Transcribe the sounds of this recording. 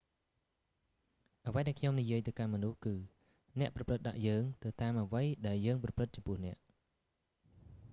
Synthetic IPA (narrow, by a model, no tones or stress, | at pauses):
ʔəʋəjɗaɛkʰɲomnijiəjt̪ɨwkanmɔnuhkɨː | nɛ̆əʔprɑprɨt̪̚ɗa̰ʔjəːŋt̪ɨwt̪aːmʔəʋəjɗaɛljəːŋprɑprɨt̪̚t͡ɕɑmpʊəhnɛ̆əʔ